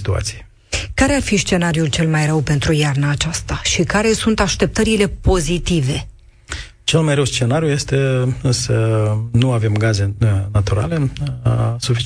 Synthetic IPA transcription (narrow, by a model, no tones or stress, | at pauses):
t̪ua̰t̪sie | kaɾe̞arfist͡ʃe̞naɾiult͡ʃe̞lmajɾəwpe̞nt̪ɾujarnaːt͡ʃast̪aʃikaɾe̞sunt̪aʃt̪e̞p̚t̪əɾile̞po̞zit̪ive̞ | t͡ʃe̞lmajɾəwst͡ʃe̞naɾijuje̞st̪e̞sənuave̞mɡaze̞nat̪uɾa̰le̞ | sufit͡ʃ